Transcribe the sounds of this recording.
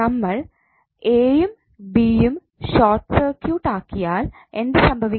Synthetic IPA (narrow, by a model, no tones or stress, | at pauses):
ɐmːɐɭ | eːjum | biːjum | ɕoːrʈsɐrkjuːʈːaːkːijaːl | e̞nd̪esɐmbʱɐʋi